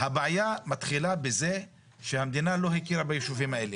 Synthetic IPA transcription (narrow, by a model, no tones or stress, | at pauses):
habeajamat̪χilabeze̞ | ʃehamd̪inalo̞ɦikiɾabajeʃuvimaʔe̞le